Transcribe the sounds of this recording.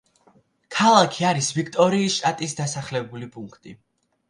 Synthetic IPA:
kʰalˠakʰiaɾisvikʰt̪ʼɔɾiːsʃt̪ʼat̪ʼisd̪asaχlɛbulipʼuŋkʰt̪ʼi

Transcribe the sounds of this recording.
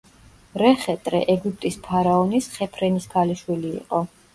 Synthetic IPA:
ɾɛχɛt̪ʼɾɛ̰ʔɛɡup̚ʰʼt̪ʼispʰaɾaɔnisχɛpʰɾɛnisɡaliʃwilḭːqʼɔ

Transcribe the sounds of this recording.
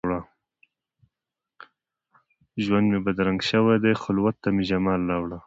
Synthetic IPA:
ɽa | ʒwand̪mebad̪ɾaŋɡʃəwajd̪ajxʊlwat̪ːameʒamɑlːɑwɽa

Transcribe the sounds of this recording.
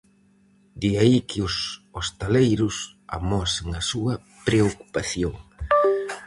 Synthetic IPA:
d̪iaikʰɪʊsost̪alejɾʊs | a̰mɔsɪŋɐsuɐ | pɾeoku̥paθjoŋ

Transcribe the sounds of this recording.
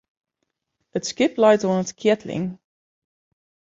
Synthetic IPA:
ətskɪplaɪtɔ̃nətkʰɛtʰlɪ̰̃ŋ

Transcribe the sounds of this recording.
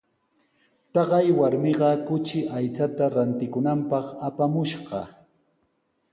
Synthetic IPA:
t̪ɑɢɑjwaɾmɪɢɑkʊt͡ʃɪʔajt͡sat̪aɾant̪ɪkʊnampɑχapamʊʃɢɑ

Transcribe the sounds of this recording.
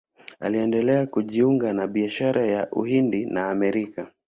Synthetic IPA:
a̰liɛndɛlɛakuʄiuŋɡanaɓiaʃaɾajaʔṵhindinaːmɛɾika

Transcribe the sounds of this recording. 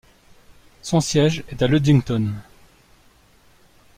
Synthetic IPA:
sɔ̃sjɛʒɛt̪alød̪ĩŋt̪ɔn

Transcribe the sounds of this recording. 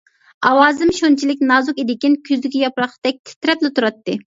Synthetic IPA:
ɑwɑːzɨmʃont͡ʃʰilɪkʲnɑːzukʲid̪ɪkʲinkʲʰyzd̪ɪkʲɛjɑpɾɑqt̪ɛk̚ʲt̪ʰɪ̥t̪ɾɛplɪt̪ʰuɾɑt̪ːɨ

